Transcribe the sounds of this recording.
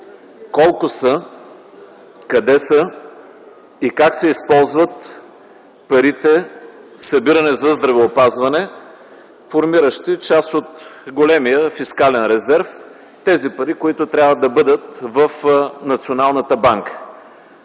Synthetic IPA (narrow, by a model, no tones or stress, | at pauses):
kɔlˠkʊsə | kɐd̪ɛsə | ikaksɛispɔlˠzvət̪ | pɐɾit̪ɛsɐbiɾɐnɛzɐzd̪ɾɐvɛopazvɐnɛ | foɾmiɾəʃt̪it͡ʃast̪ot̪ɡolɛmijəfiskalɛnɾɛzɛɾf | t̪ɛzipɐɾikoit̪ʊt̪ɾʲjavəd̪ɐbɤd̪ət̪̚vəfnɐt̪sionalˠnət̪əbaŋkə̥